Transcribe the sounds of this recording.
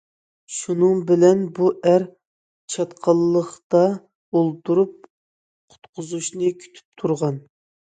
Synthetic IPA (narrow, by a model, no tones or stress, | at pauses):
ʃunɨŋbɪlɛnbuʔæɾ | t͡ʃʰɑt̪qʰɑlˠːəχt̪ɑ | olˠt̪ʰuɾup̚ | qʰʊ̥t̪qʰʊzuʃnɨkʲʰy̥t̪ʰy̥p̚t̪ʰuɾʁɑn